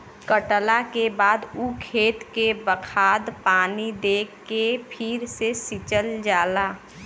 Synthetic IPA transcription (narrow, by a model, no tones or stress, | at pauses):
kəʈlakebaːd̪ukʰeːt̪kebəkʰaːd̪paːnid̪eːkːepʰɪɾsesɪt͡ʃəld͡ʒaːlaː